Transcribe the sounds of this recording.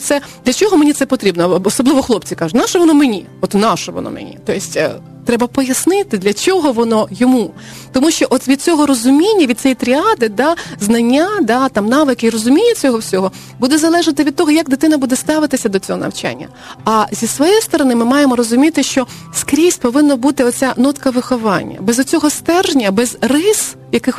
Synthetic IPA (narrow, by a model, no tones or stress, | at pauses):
t̪sɛd̪lʲɐt͡ʃɔɦɔmenʲit̪sɛpɔt̪ɾʲibnɔɔsɔblˠɪʋɔxlˠɔpt͡sʲikɑʒʊnɑʃɔʋɔnɔmenʲḭ | ɔt̪nɑʃɔʋɔ̰nɔ̰mḛnʲḭt̪ɔjɪsʲtʲ | t̪ɾɛbɐpɔjɐsnɪt̪ɪd̪lʲɐt͡sʲɔɦɔʋɔnɔjɔmu | t̪ɔmuʃt͡ʃɔʔɔt̪ʋʲid̪̚t͡sʲɔɦɔɾɔzʊmʲinʲːɐʋʲid̪̚ʲsʲɛjit̪ɾʲiɑd̪ɪd̪ɑznɐnʲːad̪ɑt̪ɑmnɑʋɪkɪiɾɔzʊmʲinʲːɐt͡sʲɔɦɔwsʲɔɦɔ | bud̪ɛzɐlˠɛʒɐt̪ɪʋʲid̪̚t̪ɔɦɔjɐɡd̪ɪt̪ɪnɐbud̪ɛst̪ɑʋɪt̪ɪsʲɐd̪ɔt͡sʲɔɦɔnɐ̰wt͡ʃa̰nʲːɐ̰ | ɐzʲisʋɔjɛjst̪ɔɾɔnɪmɪmɑjemɔɾɔzʊmʲit̪ɪʃt͡ʃɔ | skɾʲisʲpɔʋɪnːɔbut̪ɪɔt͡sʲanɔt̪kɐʋɪxɔʋɑ̰nʲːɐ̰bɛzɔt͡sʲɔɦɔst̪ɛrʒnʲɐbɛzrɪs | jɐkɪx